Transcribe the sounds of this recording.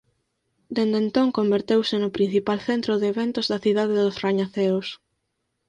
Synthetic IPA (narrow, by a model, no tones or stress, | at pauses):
d̪end̪ent̪oŋkombeɾt̪ewsɪnʊpɾin̟θipalθent̪ɾoðeːβɛnt̪ʊzðɐθiðað̞ɪðʊsraɲaθeos